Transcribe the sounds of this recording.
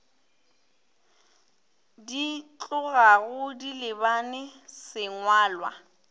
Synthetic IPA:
dit͡ɬʼʊɣaɣʊdilɪbanɪsɪŋwaːlwa̰

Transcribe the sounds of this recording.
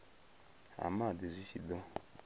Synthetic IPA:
a̰madizisidɔ

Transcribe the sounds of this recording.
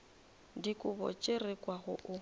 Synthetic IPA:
dikʼʊbɔ̰t͡ʃʼerekʼwaɣʊ̰ʔʊ

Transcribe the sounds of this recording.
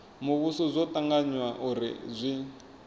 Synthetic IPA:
muβusɔzʷɔtaŋɡaɲwaʔuɾḭzʷi

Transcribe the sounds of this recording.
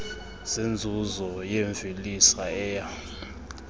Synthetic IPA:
z̥end͡zʱuzɔjeɱvʱilisaɛːja

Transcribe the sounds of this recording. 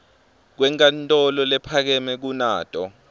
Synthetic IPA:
k̬wɛŋkʼantʼɔlɔlɛpʰak̬ɛmɛk̬unaːtʼɔ

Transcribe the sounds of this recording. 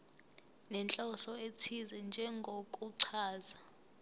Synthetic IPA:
nɛnt͡ɬʼɔsɔetʰizɛnd͡ʒʱɛŋɡʱokʼuǀʰaːza

